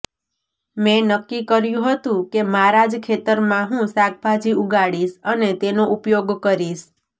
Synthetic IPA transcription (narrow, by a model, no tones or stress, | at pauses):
mẽnəkːikəɾjũɦət̪ũkemaɾad͡ʒkʰet̪əɾmãɦũsak̚ʰbʱad͡ʒiuɡaɽiʃənet̪enoʔupjoɡkəɾiʃ